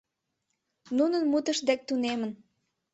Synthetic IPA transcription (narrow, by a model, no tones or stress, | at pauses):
nunənmut̪ə̆ʃd̪æk̚t̪unemə̆n